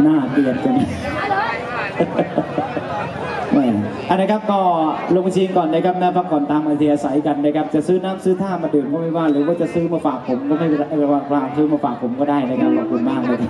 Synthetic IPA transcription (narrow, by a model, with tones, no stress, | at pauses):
naː˥˩t̪i˨˩ən̚t͡ɕa˧˩na˧˩ | ʔaː˧˩ʔa˨˧˩nːa˥kʰa˦˥p̚kɔː˥˩lo˧ŋt͡ɕʰiː˧ŋkɔː˨˩ndaː˥˩kʰa˦˥p̚nɛː˦˥˩fa˦˥kʰɔː˨˩˦nt̪aː˧ŋmaː˧t̪ʰiː˧ʔaː˧sa˩˦jka˧ndaː˥˩kʰa˦˥p̚t͡ɕa˨˩ʔsɯː˦˥˩naː˦˥˨msɯː˥˩t̪ʰaː˥˩ma˧ndɯː˧˩mkɔː˥˩ma˥˩jwaː˥˩ɾɯː˩˦waː˥˩t͡ɕa˨˩sɯː˦˥ma˧faː˨˩k̚pʰo˩˦mkɔː˥˩ma˥˩jɾa˧wa˧˩ŋaː˧ŋsɯː˦˥˩maː˧˩faː˨˩k̚pʰo˩˦mkɔː˥˩daː˥˩jna˥˩kʰa˦˥p̚kʰɔː˨˩kʰu˧nmaː˥˩ŋ̚ma˧˩˧